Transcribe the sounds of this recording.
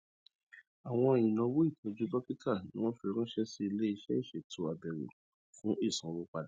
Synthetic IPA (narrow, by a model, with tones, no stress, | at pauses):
a˨w̃ɔ̃˧e˨j̃ĩ˨nã˧˦wu˦i˦˨to˨˧˦d͡ʒu˦bɔ˦pi˦tʰa˦˨nĩ˦w̃ɔ̃˦fi˧ɾ̃ũ˦ʃɛ˦si˦i˧le˦i˧ʃɛ̰˦i˦˨ʃɛ˨tu˨˦a˨bɛ˨ɾṵ˨ | fũ˨˦i˦˨sũ˨˦wo˨˦k͡pa˧da˨˦